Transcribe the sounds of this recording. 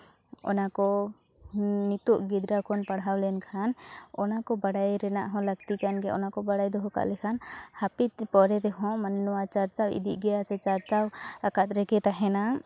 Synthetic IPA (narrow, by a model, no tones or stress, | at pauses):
ɔ̰nakɔ | nit̪uʔɡid̪ɾakʰɔnpaɽɦawlɛnkʰanɔnakɔbaɽajɾɛna̰ʔɦɔ̃ləɡt̪ikanɡɛɔ̰nakɔbaɽajd̪ɔɦɔka̰ʔlɛkʰanhapit̪pɔɾɛt̪ɛɦɔ̃mannɔwat͡ʃaɾt͡ʃawḭd̪iʔ̚ɡɛjasɛt͡ʃaɾt͡ʃawakat̪̚ɾɛkɛt̪aɦɛna